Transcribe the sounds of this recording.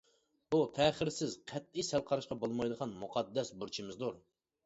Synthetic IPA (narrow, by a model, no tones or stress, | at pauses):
b̥ut̪ʰɛːχɪɾsɪzqʰɛt̪̚isælˠqʰɑɾɨʃqɑbolˠmɑjd̪əʁɑnmuqʰɑd̪ːɛsbuɾt͡ʃʰimɪzd̪uɾ